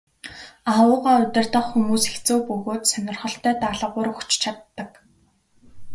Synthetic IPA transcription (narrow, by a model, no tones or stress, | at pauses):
awʊːʁaːʊt̪ʲɪ̆r̥t̪ə̆χxumuːsext͡soːwpɵɣoːt̪sœnʲɪ̆rχɞ̆ɬt̪œːt̪aɮə̆ʁʊːɾɵxt͡ɕt͡ɕʰat̪ːə̆k